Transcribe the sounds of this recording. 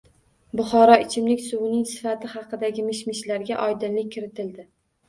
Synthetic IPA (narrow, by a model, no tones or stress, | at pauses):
bʊχɒɾɒɪt͡ʃʰɪmlɪkʲsʊwnɪŋsɪ̥fat̪ʰɪχɑqʰɨd̪aɡʲɪmɪʃmɪʃlaɾɡʲaʔɒjd̪ɪnlɪk̚ʲʰːɪɾɪt̪ʰɪld̪ɪ